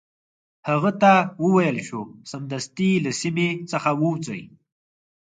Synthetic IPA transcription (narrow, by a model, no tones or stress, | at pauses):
haɣət̪awəwajəlʃosamd̪ast̪ilasimet͡səxawəwt͡sə̰j